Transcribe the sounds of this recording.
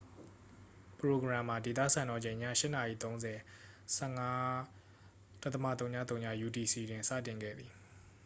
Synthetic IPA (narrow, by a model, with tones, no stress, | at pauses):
pəɹo˨ɡɹã˨ma˨de˨t̪̬ä̰˦˨sã˨nɔ˨d͡ʑẽ˨ɪ̃ɲä̰˦˨ʃɪ˦ʔna˨ʔḭ˦˨t̪õ˦ʊ̃nzɛ˨ | sɛ˦˨ŋa˦ | d̥t̪ə˦ma̰˦˨t̪̬õ˦ʊ̃ɲa̰˦t̪̬õ˦ʊ̃ɲa̰˦˨ju˨ti˨si˨dɪ̃˨nsä̰˦˨tɪ̃˨ŋɡɛ̰˦˨d̪ði˨